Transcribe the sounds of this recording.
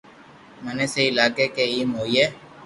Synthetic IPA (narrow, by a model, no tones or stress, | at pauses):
məneseɪlaːkekeiːmɦoːieː